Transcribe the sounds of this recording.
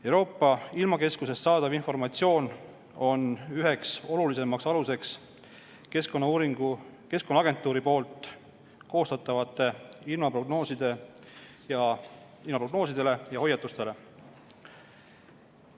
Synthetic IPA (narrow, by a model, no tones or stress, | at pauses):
ewɾo̞ːpˑːɑilmɑke̞skuse̞st̪ːsɑːd̪̥ɑvinfo̞rmɑt̪sio̞ːn | o̞nyɦe̞kso̞lulise̞mɑksɑluse̞ks | keskonːɑuːɾiɡ̥uke̞skonːɑɑɡ̥e̞nt̪ːˑuːɾipo̞ːlt̪ˑ | ko̞ːst̪ɑt̪ːˑɑvɑt̪ːˑe̞ilmɑproɡno̞ːsid̪̥e̞ | jɑ | ilmɑproɡno̞ːsid̪̥e̞le̞jɑh̞jːɑt̪ːˑust̪e̞le̞